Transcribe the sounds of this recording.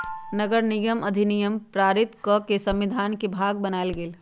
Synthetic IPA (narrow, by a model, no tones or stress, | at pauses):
nəɡəɾniɡəmɐd̪ʱinijəmpɾaːɾɪt̪kɔkesə̃mʋid̪ʱaːnkebʱaːɡbənaelɡeːl